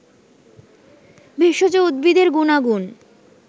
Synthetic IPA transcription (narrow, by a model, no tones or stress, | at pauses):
bʱeʃod͡ʑoud̪̚bid̪eɾɡunaɡun